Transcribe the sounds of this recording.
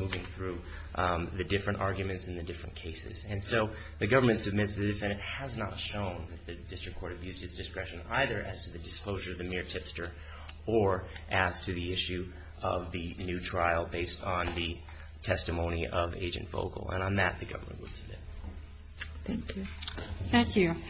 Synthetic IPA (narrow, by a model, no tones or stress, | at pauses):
muvɪ̃ŋθɹʉ | ðɨdɪfɹɨ̃ntɑɹɡjɨmɨ̃ntsn̩ðɨdɪfɹɨ̃nkʰeɪsɨ̰zɨ̃nsoʊ | ðɨɡʌvə˞mɨ̃ntsɨb̚mɪtsðɨðɨdɨfɛ̃ñɨt̚hɨznətʃõʊ̃nðɨt̪̚ðɨdɪstɹ̥ɨkʰɔɹɾɨbjʉzd̚ɨtsd̥ɨskɹɛʃɨ̃naɪðə˞ʔɨz̥tʰɨðɨdɨskloʊʒə˞ʌvðɨmɪɹtʰɪpstə˞ | ə˞ʔɨz̥tʰɨðiɪʃʉ | ʔʌvðɨnʉtʰɹ̥aɪlˠbeɪstn̩ðɨ | tʰɛstɨmõʊ̃ñiʔʌvḛɪd͡ʒɨ̰̃n̩tv̥o̰ʊkl̩ˠə̰̃ñnðɨt̪̚ðɨɡʌ̰və˞mə̰̃nʔwə̰d̥sɨb̚mɪ̰t̚ | θæ̃ŋkjʉ